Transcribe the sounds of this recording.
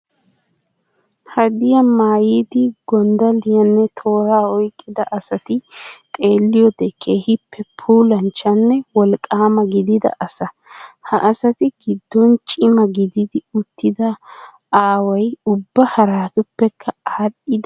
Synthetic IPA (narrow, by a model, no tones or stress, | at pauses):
hɐd̪ɪjɐmaːjiːd̪ɪɡɔnd̪ɐlɪjɐnːɛt̪ʰo̞ːɾaːɔjkʼːɪd̪ɐʔɐsɐt̪ɪt̪ʼe̞ːlːɪjɔd̪ɛkʰe̞ːhɪpːɛpʰuːlɐnt͡ʃːɐnːɛwɔlkʼːaːmɐɡɪd̪ɪd̪ɐ̰ʔɐsɐ | hɐʔːsɐt̪ɪɡɪd̪ːɔnt͡ʃʼɪmɐɡɪd̪ɪd̪ɪʊt̪ːɪd̪ɐ | aːwɐjʊbːɐhɐɾaːt̪ʊpːɛkʰːɐaːɗɪd̪